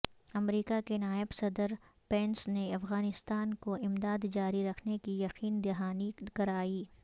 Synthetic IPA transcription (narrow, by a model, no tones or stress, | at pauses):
ɐmɾiːkakenaːɪbsɐd̪əɾ | peːnsneɐfɣaːnɪst̪aːnkoɪmd̪aːd̪d͡ʒaːɾiɾɐkʰnekijɐqiːnd̪ɪɦaːnikɐɾaːiː